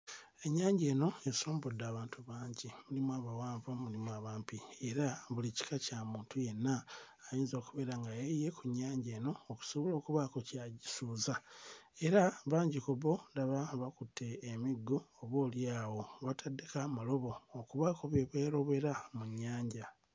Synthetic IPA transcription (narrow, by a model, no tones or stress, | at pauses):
e̞ɲːaːɲɟe̞ːno̞esoːmbodːaːβaːntʰuβaːɲɟimulimwaβawaːɱvamulimwaβaːmpieɾaβulici̥kacamuːntʰuje̞nːaː | jiːnzoːkuβe̞ːɾaŋɡajeje̞kuɲaːɲɟe̞ːno̞ːku̥soβolo̞ːkuβakocaɟisuːzae̞ɾaβaːɲɟikoβo̞ndaβaβakutʰːe̞ːmiɡːoːβo̞ːljaːwo̞βatʰadːekamalo̞βo̞ːkuβakoβeβweɾo̞βe̞ɾamuɲːaːɲɟa